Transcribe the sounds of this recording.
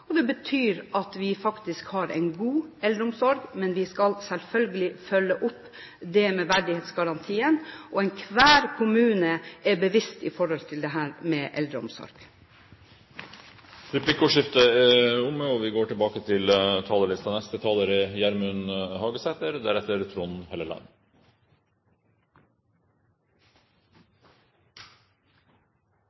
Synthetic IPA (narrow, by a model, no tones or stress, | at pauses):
ɔd̪ɛbət̪ʰyːɾɑt̪ʋɪfɑkt̪ɪskhɑɾɛ̰ɪnɡuːɛld̪ɾəʊmsɔɾɡmɛnʋɪskɑlsɛlfœlɡəlɪfœlːəʔʊp | d̪ɛmɛʋæɾɖ̪ɪheːt̪sɡɑɾɑnt̪ʰiːənʔɔɛɪnkʰʋæːɾkʰʊmʉːnəʔɛbəʋɪst̪ɪfɔɾɔlt̪ʰɪld̪ɛɦæːɾmɛʔɛ̰ld̪ɾəʊ̰msɔ̰ɾɡ̥ | ɾɛpʰlɪkʊʂɪft̪əɛʊməɔʋɪɡoːʈɪlbɑːkət̪ʰɪlt̪ʰɑːləɭɪst̪ɑnɛst̪ət̪ʰɑːləɾəjæɾmʉnhɑːɡəsɛt̪əɾd̪æɾɛt̪əɾt̪ʰɾʊnhɛləlɑ̰n